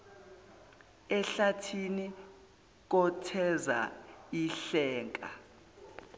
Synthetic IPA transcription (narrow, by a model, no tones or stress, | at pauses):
ɛɬatʰini | k̬ɔtʰɛza̰iɬɛːŋkʼa̰